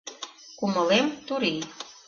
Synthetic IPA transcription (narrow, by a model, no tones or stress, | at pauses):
kumə̆lemt̪uɾi